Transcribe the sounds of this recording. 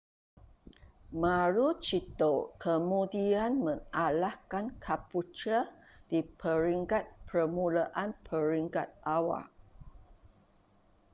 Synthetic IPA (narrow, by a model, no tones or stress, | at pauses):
maɾut͡ʃit̪okʰəmudianmə̃ŋalahkankʰaput͡ʃə | d̥ipʰəɾiŋkat̪̚pəmulaʔanpʰəɾiŋkat̪̚ʔawa̰ʔ